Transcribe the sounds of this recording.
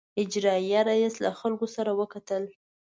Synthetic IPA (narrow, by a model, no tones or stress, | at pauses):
ɪd͡ʒɾɑjaɾajesla̰xalkosaɾawəkat̪əl